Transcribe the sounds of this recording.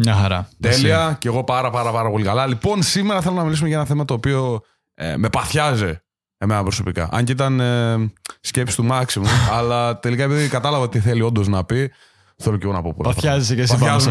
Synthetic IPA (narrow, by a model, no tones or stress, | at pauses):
mɲɐxɐɾɐ̰t̪eliɐce̞ɣo̞pɐɾɐpɐɾɐpɐɾɐpo̞likɐlɐlipo̞nsimeɾɐθe̞lonɐmilisumeʝɐenɐθemɐt̪o̞ːpio̞ | ḛme̞pɐθçɐzi | emenɐpɾo̞so̞pikɐ̰ʔɐ̰ɲcit̪ɐnescepsi̥t̪umɐksimumɐlɐt̪e̞likɐepiðokɐt̪ɐlɐvɐot̪iθe̞lio̞nd̪o̞znɐpi | θeloceɣonɐpopṵθɐzesecesɐz